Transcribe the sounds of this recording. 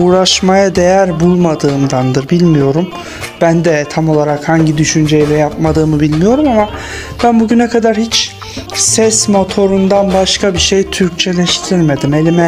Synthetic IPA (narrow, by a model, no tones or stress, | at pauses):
uːɾaʃmajad̪e̞jæɾbulˠmad̪ɯːmd̪and̪ɯɾbilʲmijo̞ɾum | b̥ænd̪ɛt̪ʰamo̞lˠaɾakhaɲɟid̪yʃynd͡ʒejlʲɛjapmad̪ɯːmɯbilʲmijo̞ɾumama | b̥ænbuɟynɛkʰad̪aɾhit͡ʃ | sɛsmo̞t̪ʰo̞ɾund̪anbaʃkʰabiʃejt̪ʰyɾc̚t͡ʃʰe̞lʲɛʃt̪ʰiɾme̞d̪ime̞lʲimɛ